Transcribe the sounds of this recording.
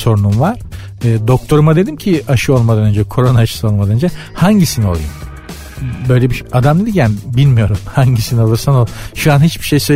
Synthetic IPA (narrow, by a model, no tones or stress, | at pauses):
so̞ɾunumvaɾ̥ | ɯːd̪o̞k̚t̪ʰo̞ɾumad̪e̞d̪imcʰiaʃɯo̞lˠmad̪anø̞nd͡ʒɛkʰo̞ɾonaʃɯ̥sɯo̞lˠmad̪anønd͡ʒɛhaɲɟisinio̞lˠujo | bø̞jlʲɛbiʃad̪amned̪ijanbilʲmijo̞ɾumhaɲɟisiniolˠuɾsanolˠʃuanɦit͡ʃbiʃe̞jsø